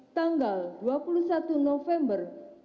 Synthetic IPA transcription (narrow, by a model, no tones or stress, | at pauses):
t̪aŋɡalduapulusat̪unɔfɛmbər